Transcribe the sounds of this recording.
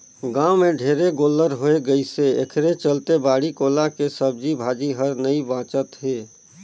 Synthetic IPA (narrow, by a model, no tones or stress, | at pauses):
ɡãːwmẽɖʱeːɾeɡoːlːəɾɦoːeɡəiseekʰɾet͡ʃəlt̪ebaːɽikoːlakesəb̚d͡ʒibʱaːd͡ʒiɦəɾnəibãːt͡ʃət̪ɦeː